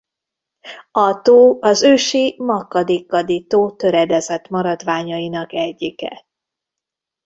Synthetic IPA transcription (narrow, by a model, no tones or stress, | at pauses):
ɒt̪oːɒzøːʃimɒkːɒd̪eːkːɒd̪it̪oːt̪ø̞ɾɛd̪ɛzɛt̪mɒɾɒd̪ʋaːɲɒinɒkɛɟːikɛ̰